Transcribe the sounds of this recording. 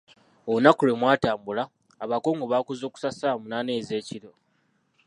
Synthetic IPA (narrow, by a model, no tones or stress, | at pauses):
ounakulwe̞mwaːtaːmbulaː | βako̞ːŋɡoβaːkuzo̞ːku̥sasamunane̞ːze̞ːciɾo̞